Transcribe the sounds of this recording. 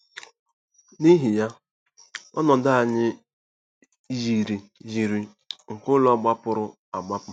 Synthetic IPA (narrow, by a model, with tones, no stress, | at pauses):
ni˦ɦi˨ja˦ | ɔ̰˦nɔ˨da˦a˨ɲɪ˦ | ji˨ɾi˨ji˨ɾi˨ | ŋ̩˨kʊ˦lɔ˦˨ɡ͡ba˦pʊ˦ɾʊ˦ | a˨ɡ͡ba˦pʊ˦